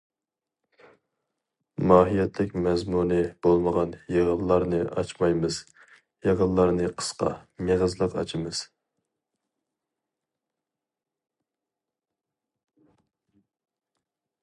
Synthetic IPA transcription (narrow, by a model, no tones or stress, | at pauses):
mɑːɦijɛt̪ʰlɪkʲmɛzmunɨb̥olˠməʁɑnjeʁəllˠɑɾnɨʔɑ̰t͡ʃmɑjmɨz̥ | jeʁəlːˠɑɾnɨqʰə̥sqɑ̰meʁəzlˠəqɑ̰t͡ʃʰɪmɨz̥